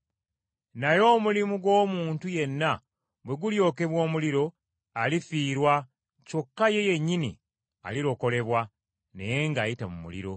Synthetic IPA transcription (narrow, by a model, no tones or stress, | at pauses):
najo̞ːmulimuɡo̞ːmuːntuje̞nːa | bwe̞ɡuljo̞ːke̞βwo̞ːmuliɾo̞ | alifiːɾwa | co̞kːaje̞je̞ɲːinḭ | a̰liɾo̞ko̞le̞βwa | ne̞̰je̞ŋɡaːjitamumṵlḭɾo̞